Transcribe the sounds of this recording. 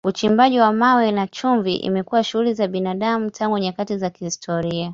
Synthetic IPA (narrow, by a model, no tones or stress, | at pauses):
ut͡ʃimbaʄiwamawɛnat͡ʃuɱviʔḭmɛkuwaʃuhulizaɓinaɗamutʰaŋɡuɲakatizakihistʰɔɾia